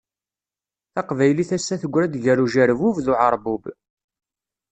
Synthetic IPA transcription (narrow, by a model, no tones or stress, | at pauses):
θɑqvæjliθæsːæθəɡʷːɾæd̪ʝəɾuʒæɾvuvðʊʕɑɾˤbub